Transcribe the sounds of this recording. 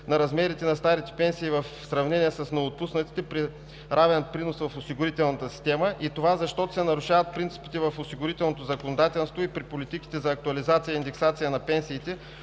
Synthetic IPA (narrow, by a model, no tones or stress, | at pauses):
nɐɾɐzmɛɾit̪ɛnɐst̪aɾit̪ɛ̥pɛnsiːvɐfsɾɐvnɛnijəsəsnɛot̪̚pusnət̪i̥t̪ɛpɾi | ɾavɛnpɾinosvɐfosiɡʊɾit̪ɛlˠnət̪əsi̥st̪ɛməʔit̪ovazɐʃt̪ɔt̪o̥sɛnɐɾʊʃavət̪̚pɾint̪si̥pi̥t̪ɛvɐfosiɡʊɾit̪ɛlˠnot̪̬ozɐkonod̪at̪ɛlˠst̪voipɾipolit̪iki̥t̪ɛzɐːk̚t̪ʊɐlizat̪sijəind̪ɛksat̪sijənɐpɛnsiːt̪ɛ